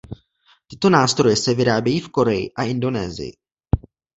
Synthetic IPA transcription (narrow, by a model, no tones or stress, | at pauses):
t̪ɪt̪o̞naːst̪ɾo̞jɛsɛvɪɾaːbjɛjiːfko̞ɾɛjɪ̰ʔaʔɪndo̞nɛ̰ːzɪ̰jɪ̰